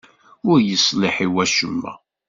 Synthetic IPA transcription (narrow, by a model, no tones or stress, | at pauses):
ʊɾjəsˤlɪħiwæʃəmːæ̰